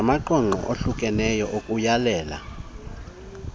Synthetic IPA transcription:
maǃɔŋ͡ǃʱɔ̰ʔoɬukʼɛnɛjɔʔokʼujalɛːla̰

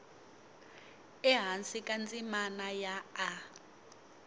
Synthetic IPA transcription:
ɛɦansikʼand͡zʼimanajaː

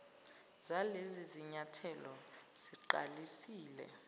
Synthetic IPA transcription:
zaleziziɲatʰɛlɔ | z̥iǃalisiːlɛ̰

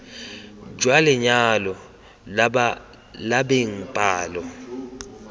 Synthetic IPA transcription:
d͡ʒwalɛɲalɔ | labeŋ̩pʼaːlɔ

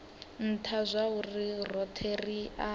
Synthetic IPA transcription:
n̩tʰazʷaɦurirɔtʰeria

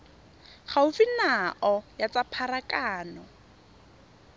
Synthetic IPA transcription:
χaʊfɪnaʔɔjat͡sapʰaɾakaːnɔ

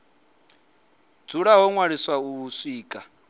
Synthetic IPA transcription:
d͡zuɺaɦɔŋwaɺiswauːsiːkʼa

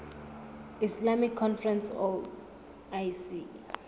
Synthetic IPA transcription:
islamikʰːɔnfrɛ̃nsɔ | ajsi

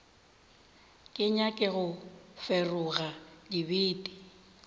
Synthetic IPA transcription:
kʼɪɲakʼɪɣʊfɛrʊɣadibiːdʼi̥

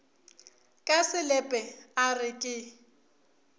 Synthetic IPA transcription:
kʼasɪlɛpʼɛarɪkʼɪ

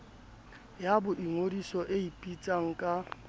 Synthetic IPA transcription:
jabʊʔiŋodisɔʔeipʼit͡sʼaŋ̩kʼa

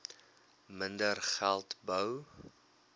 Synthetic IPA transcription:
məndərχælˠtbəw

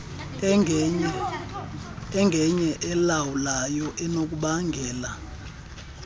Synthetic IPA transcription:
ɛŋɡʱɛɲɛʔɛlawulajɔʔɛnok̬ʼuɓaŋɡʱɛːla

